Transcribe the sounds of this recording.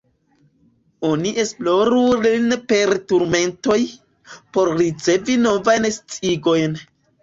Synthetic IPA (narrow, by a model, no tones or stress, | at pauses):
o̞niʔe̞sploɾulinpe̞ɾtuɾme̞nto̞j | po̞ɾɾit͡se̞vino̞vajnst͡siɡo̞jn